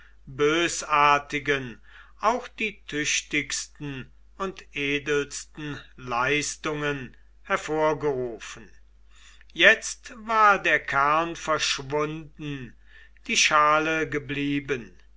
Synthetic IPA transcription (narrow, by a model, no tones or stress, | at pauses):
bøːsaːɐtɪɡən | ʔaʊxd̥iːtʰʏɕtɪkstn̩ | ʊntʔeːdəlstn̩laɪstʊŋən | hɛɐfoːɐɡəʁuːfən̩ | jɛt͡stvaːɐdeːɐkʰæɐnfɛɐʃvʊndn̩ | d̥iːʃaːləɡəbliːbən